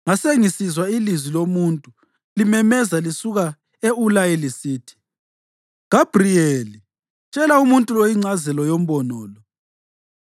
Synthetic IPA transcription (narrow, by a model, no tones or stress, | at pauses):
ŋaseŋisizwailizwilomuntʼu | limɛmɛzalisuɣa | eulajɛlisiːtʰi̥ | ɡ̥ab̥rieli | t͡ʃʼɛlaumuntʼulojiŋ͡ǀazɛlɔjom̩bɔnɔːlɔ